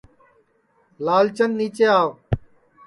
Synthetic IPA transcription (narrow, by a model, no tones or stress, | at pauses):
laːlt͡ʃənːiːt͡ʃeːaːʋ